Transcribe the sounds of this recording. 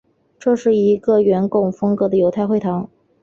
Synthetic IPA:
ʈ͡ʂɤ˥˧ʂɻ̩˥˩i˧˥ɡə˧ɥɛ˧˥nkʊ˥˩ŋfɤ˥ŋkɤ˧˥d̪ə˧jo˧˥ʊt̪ʰa˥˧ɪxwe˥˩ɪt̪ʰɑ˧˥ŋ

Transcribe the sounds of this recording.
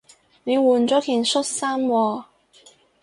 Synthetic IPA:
ne˨˧jwuː˨˩nt͡sɔː˨˥kʰiː˨˩nsʊ˥t̚saː˥mwɔː˧

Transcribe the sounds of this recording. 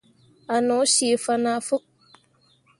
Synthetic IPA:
a˨nɔ˨˦ʃi˨fa˧na˦˨fu˦k̚

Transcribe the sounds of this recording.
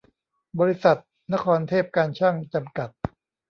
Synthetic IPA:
bɔː˧ɾi˦˥sa˨˩t̪̚ | na˦˥kʰɔː˧nt̪ʰeː˥˩p̚kaː˧nt͡ɕʰa˥˩ŋt͡ɕa˧mka˨˩t̪̚

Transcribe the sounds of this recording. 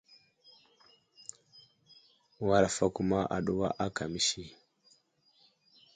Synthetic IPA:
wa˦ɾa˨fa˦ku˦ma˦ʔa̰˨ɗu˦βa̰˦ʔa˦ka˨mi˦ʃi˦

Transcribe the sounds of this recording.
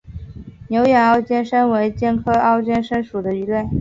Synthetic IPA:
njo˧˥ʊjɛ˨˩nɑ˥˧ʊt͡ɕjɛ˥nʂə˥nwe˧˥ɪt͡ɕjɛ˥nkʰɤ˥ɑ˥ʊt͡ɕɥɛ˥nʂə˥nʂu˨˩d̪ə˦y˧˥lwe˥˩ɪ

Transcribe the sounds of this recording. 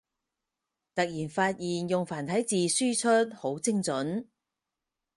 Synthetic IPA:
t̪ɐ˨k̚jiː˨˩nfaː˧t̚jiː˨njʊ˨ŋfaː˨˩nt̪ʰɐ˨˥jt͡siː˨syː˥t͡ʃʰɵ˥t̚ho˨˥wt͡sɪ˥ŋt͡sɵ˨˥n

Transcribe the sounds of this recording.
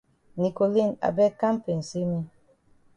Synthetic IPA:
ni˨ko˨li˦˨na̰˨bɛ˦ka˦m˦pe˨n̩˨si˦mi˦

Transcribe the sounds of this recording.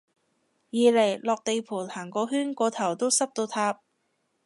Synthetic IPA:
jiː˨˧le˨˩jlɔː˨k̚t̪e˨jpʰuː˨˩nhaː˨˩ŋkɔː˧˥ɦyː˥nkʷɔː˧t̪ʰɐ˨˩wt̪o˥wsɐ˥p̚t̪o˧wt̪ʰaː˧p̚

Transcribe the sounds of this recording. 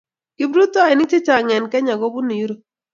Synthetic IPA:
kɪ˦bɾu˦t̪ɔ˦a˨ɪ˨ni˦t͡ʃe˦t͡ʃa˨ŋɛ˨nkɛ˦ɲa˨ɡo˦bu˦ni˨jɾo˨˦˨

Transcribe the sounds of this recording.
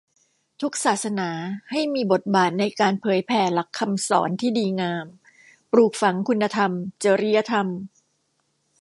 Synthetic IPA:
t̪ʰu˦˥k̚saː˨˩t̪̚sa˧naː˩˦ha˥˩jmiː˧bo˨˩t̪̚baː˨˩t̪̚na˧jkaː˧npʰɤː˩˦jpʰɛː˧la˨˩kʰːa˧msɔ̰ː˩˦nt̪ʰiː˥˩diː˧ŋaː˧m | pɾuː˨˩k̚fa˩˦ŋkʰu˧nːa˧t̪ʰa˧mt͡ɕəː˧˦ɾi˦˥ja˧t̪ʰa˧m

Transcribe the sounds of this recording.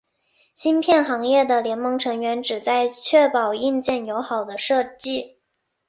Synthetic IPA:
ɕi˥npʰjɛ˥˩nxɑ˧˥ŋjɛ˥˩d̪ə˩ljɛ˧˥nmɤ˧˥ŋʈ͡ʂʰɤ˧˥ŋɥɛ˧˥nʈ͡ʂɻ̩˨˩t͡sa˥˧ɪt͡ɕʰɥɛ˥˩pɑ˨˩ʊi˥˧nt͡ɕjɛ˥˩njo˧˥ʊxɑ˨˩ʊd̪ə˦ʂɤ˥˧t͡ɕi˥˩

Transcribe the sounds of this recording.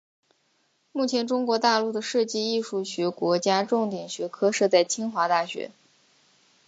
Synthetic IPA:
mu˥˩t͡ɕʰjɛ˧˥nʈ͡ʂʊ˥ŋkwɔ˧˥t̪a˥˧lu˥˩d̪ə˩ʂɤ˥˧t͡ɕi˥˧i˥˧ʂu˥˩ɕɥɛ˧˥kwɔ˧˥t͡ɕja˥ʈ͡ʂʊ˥˩ŋt̪jɛ˨˩ŋɕɥɛ˧˥kʰɤ˥ʂɤ˥˧t͡sa˥˩ɪt͡ɕʰi˥ŋxwa˧˥t̪a˥˩ɕɥɛ̰˧˥

